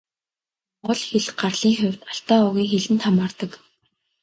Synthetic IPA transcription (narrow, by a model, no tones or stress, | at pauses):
ʊɮxeɮɢarɮiːŋxʊw̥ʲt̪aɬt̪aːʊɣʲiːŋxeɮɘ̆nt̪ʰamaːrt̪ə̆k